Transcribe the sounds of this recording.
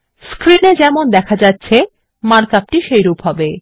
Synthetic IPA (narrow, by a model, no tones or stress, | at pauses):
skɾined͡ʑɛmond̪ɛkʰad͡ʑatːɕʰe | maɾkap̚ʈiʃejɾupɦɔbe